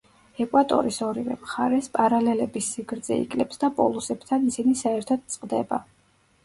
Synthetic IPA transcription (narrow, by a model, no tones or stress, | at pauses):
ɛkʼwat̪ʼɔ̰ɾisɔɾivɛ̰mχaɾɛspʼaɾalɛlɛbisːiɡɾd̪zɛ̰ḭkʼlɛpsd̪apʼɔlˠusɛb̥t̪ʰanisinisaɛɾt̪ʰɔd̪̚t̪sʼqʼd̪ɛba̰